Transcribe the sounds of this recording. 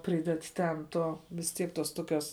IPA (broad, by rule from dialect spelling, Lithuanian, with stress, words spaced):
ˈpʲrʲiːdʲɛt ˈtʲɛn ˈtoː ʋʲɪs ˈtʲiɛk ˈtoːs ˈtoːˌkʲoːs